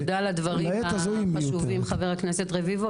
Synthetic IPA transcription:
d̪alad̪vaʁieazuʃuvimχaveʁakneset̪ʁevivo

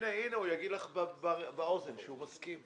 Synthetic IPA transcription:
neineujaɡid̪laχbbabao̞zenʃeumaskim

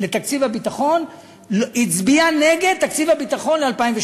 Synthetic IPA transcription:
le̞t̪akt͡sivhabit̪aχo̞n | lit͡sbiane̞ɡe̞d̪̚t̪akt͡sivhabit̪aχo̞nlealpaimveʃ

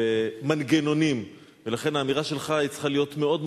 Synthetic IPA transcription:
emanɡeno̞nim | velaχe̞naːmiʁaʃe̞lχait͡sχalijo̞tme̞o̞dm

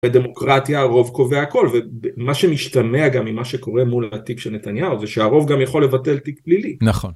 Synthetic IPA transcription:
ed̪e̞mo̞kʁatjaːʁo̞vko̞veaako̞lvebemaʃemiʃt̪ameaɡamimaʃeko̞ʁe̞mulat̪ikʃelne̞tanjawzeʃeaʁo̞vɡamjaχo̞lːe̞vate̞lt̪ikblilinaχon

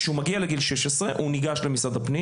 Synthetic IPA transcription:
ʃeumaɡialeɡilʃeʃesʁe̞ʔuniɡaʃle̞misad̪apni

